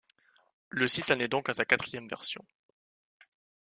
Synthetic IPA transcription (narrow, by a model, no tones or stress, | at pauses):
ləsit̪anɛd̪ɔ̃kasakat̪χijɛmvɛ̰ʁsjɔ̰̃